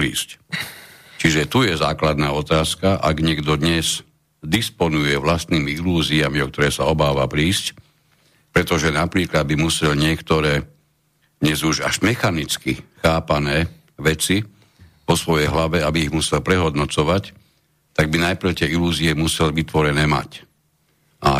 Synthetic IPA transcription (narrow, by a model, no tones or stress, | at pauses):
ɾiːsc | t͡ʃiʒɛt̪ujɛzaːklad̪naːɔt̪aːskaʔaɡɲɪɛɡd̪ɔd̪ɲɛz | d̪ispɔnujɛʋlast̪niːmiiluːziamiɔk̚t̪ɔɾɛːsaɔbaːʋapɾiːsc | pɾɛt̪ɔʒɛnapɾiːklad̪̚bimusɛlɲɪɛkt̪ɔɾɛː | d̪ɲɛzuʒa̰ʒmɛxanit͡skixaːpanɛː | ʋɛt͡si | ʋɔsʋɔjɛjɦlaʋɛabiiɣmusɛlpɾɛɦɔd̪nɔt͡sɔʋac | t̪aɡ̚binajpɾʊt̪ɪɛiluːziɛmusɛlʋit̪ʋɔɾɛnɛːma̰c | ʔa